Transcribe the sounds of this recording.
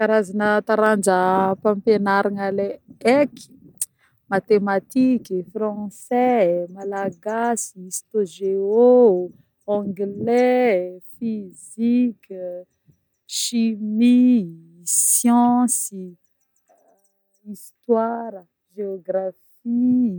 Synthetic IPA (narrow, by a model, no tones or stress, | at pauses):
kaɾazanət̪aɾand͡ʒəpãmpenaɾanaleeki̥ | mat̪emat̪ikifrɑ̃sɛmalaɡasiist̪oʒeo | ɔ̃ŋɡlefizik | ʃimi | sjɑ̃si | ist̪waɾə | ʒeoɡraf | i